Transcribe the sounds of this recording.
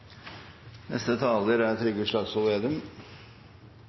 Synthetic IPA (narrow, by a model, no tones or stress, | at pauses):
nɛ̰st̪ət̪ʰɑːləɾæt̪ʰɾʏɡəʂɭɑːɡsɔleːd̪əm